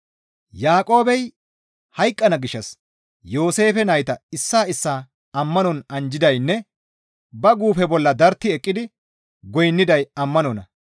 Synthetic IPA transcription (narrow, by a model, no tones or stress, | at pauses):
jaːkʼo̞ːbɛj | hɐjkʼːɐnɐɡɪʃːɐs | jo̞ːse̞ːfɛnɐjt̪ɐɪsːaːɪsːaː | ɐmːɐnɔnɐnd͡ʒɪd̪ɐjnːɛ | bɐɡuːfɛbɔlːɐd̪ɐɾt̪ːɪɛkʼːɪd̪ɪ | ɡɔjnːɪd̪ɐjɐmːɐnɔnɐ